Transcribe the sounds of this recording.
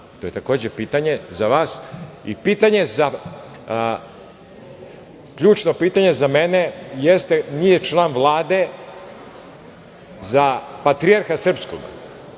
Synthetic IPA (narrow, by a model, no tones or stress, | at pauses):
t̪oje̞t̪ako̞ːd͡ʑepiːt̪aɲe̞zaʋaːsipiːt̪aɲe̞za | kʎuːt͡ʃno̞piːt̪aɲe̞zamene̞jest̪e̞nijet͡ʃlˠaːnʋlˠaːd̪e̞ | zapat̪ɾijaɾxasr̩psko̰ɡa̰